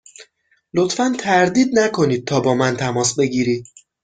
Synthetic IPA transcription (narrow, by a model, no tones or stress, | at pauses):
lo̞t̪fænt̪ʰæɾd̪iːd̪nækʰo̞niːd̪̚t̪ʰɒːbɒːmænt̪ʰæmɒːsbe̞ɡiːɾiːd̪̥̚